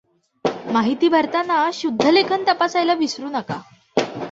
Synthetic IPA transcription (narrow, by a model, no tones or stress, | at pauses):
maɦit̪iːbʱəɾt̪anaɕud̪ʱːəlekʰənt̪əpasajlaʋisɾuːnəka